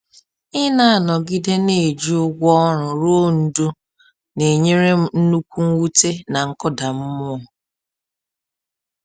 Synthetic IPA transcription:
ɪ˦na˦a˨nɔ˨ɡi˦de˦ne˨d͡ʒi˦ʊ˦ɡʷɔ˦ɾʊ˨ɾo˦n̩˨du˦ | ne˨ɲe˦ɾe˦n̩˦nu˦kʷu˦ŋ̩˦wu˦te˦na˨ŋ̩˦kɔ˦da˨m̩˦mʊ˦˨

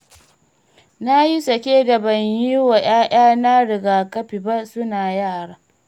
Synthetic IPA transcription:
na˦ji˦sɐ˨kʲeː˦dɐ˨bɐ˨ɲji˦wa˨j̰aː˦j̰aː˦na˦ɽɪ˨ɡaː˨kɐ˦ɸi˨ba˦sʊ˦naː˨jaː˦˨ɽaː˦

